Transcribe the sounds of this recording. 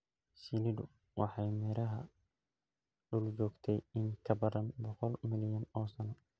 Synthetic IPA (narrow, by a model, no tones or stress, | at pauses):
silɪdʊ̰ | wɑħɑjmɛːɾɐɦɐ | ɖʊlt͡ʃɔːɡt̪ʰɛjɪŋkʰɐbɐðɐnbɔqɔlmɪljɐnɔːsɐnɔ